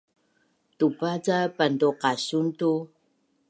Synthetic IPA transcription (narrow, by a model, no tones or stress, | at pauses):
tupat͡sapanduqaɕuntu